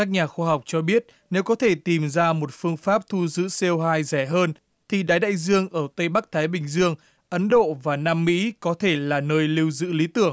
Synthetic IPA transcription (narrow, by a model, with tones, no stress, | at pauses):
ka˦˥k̚ɲaː˨˩xaː˧ɦa˨˩wk͡p̚t͡ɕɔ˧ɓi˦˥ət̚ | ne˨˦wkɔ˨˦t̪ʰe˧˩t̪i˨˩mzaː˧mo˨˩t̚fɨ˧əŋfaː˦˥p̚t̪ʰu˧zɨ̰˧˥se˧wɦaː˧jzɛ˧˩ɦəː˧n | t̪ʰi˨˩ɗaː˨˦jɗa̰ː˧˨jzɨ˧əŋʔəː˧˩t̪ə˧jɓa˦˥k̚t̪ʰaː˨˦jɓï˨˩ŋ̟zɨ˧əŋ | ʔə˨˦nɗo̰˧˨vaː˨˩naː˧mːḭ˧˥kɔ˨˦t̪ʰe˧˩laː˨˩nəː˧jli˧əwzɨ̰˧˥li˨˦t̪ɨ˧˩əŋ